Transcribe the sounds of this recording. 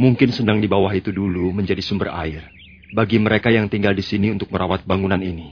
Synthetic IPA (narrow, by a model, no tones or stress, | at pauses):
muŋkɪnsənaŋdibawaɦit̪uduluməɲd͡ʒadisumbəra̰ɪr | baɡiməɾekajaŋt̪iŋɡaldisiniunt̪ʊk̚məɾawat̪̚baŋunanini